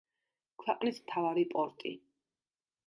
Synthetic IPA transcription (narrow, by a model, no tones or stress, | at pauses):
kʰwɛqʼnismt̪ʰavaɾipʼɔɾt̪ʼi